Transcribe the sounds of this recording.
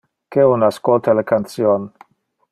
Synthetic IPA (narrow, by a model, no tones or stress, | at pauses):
keunaskolt̪alakant̪sjon